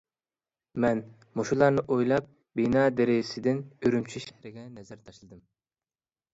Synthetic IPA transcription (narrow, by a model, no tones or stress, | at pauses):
mɛn | moʃulˠɑɾnɨʔojlˠɑp̚ | binɑd̪eɾɪɪsɪd̪ɪnøɾymt͡ʃʰyʃɛhɾɪɡʲɛnɛzæɾt̪ʰɑʃlˠɨd̪ɨm